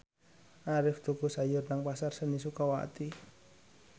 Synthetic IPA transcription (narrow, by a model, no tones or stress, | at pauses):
ʔaɾɪfd̪̥o̤ɡ̥osajʊrnaŋpasarsənisukawa̰t̪i